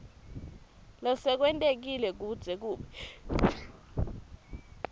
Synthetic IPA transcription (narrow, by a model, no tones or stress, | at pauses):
lɔsɛk̬wɛntʼek̬ilɛk̬ud̥z̥ʱɛk̬uːɓɛ